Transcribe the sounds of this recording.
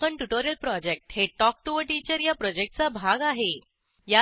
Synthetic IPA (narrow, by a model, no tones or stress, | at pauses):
əɳʈuʈoɾijəlpɾɔd͡ʑek̚ʈheʈɔk̚ʈuʋəʈit͡ɕəɾjapɾɔd͡ʑek̚ʈ̚t͡sabʱaɡaɦe | ja